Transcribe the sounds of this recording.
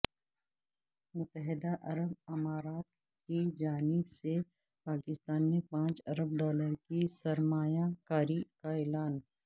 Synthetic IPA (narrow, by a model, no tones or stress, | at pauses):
mʊt̪ːəɦɪd̪aʔɐɾəbɪmaːɾaːt̪ | kid͡ʒaːnɪbse | paːkɪst̪aːnmẽpãːt͡ʃɐɾəb̚ɖɔːləɾkisɐɾmaːjakaːɾikaɛːlaːn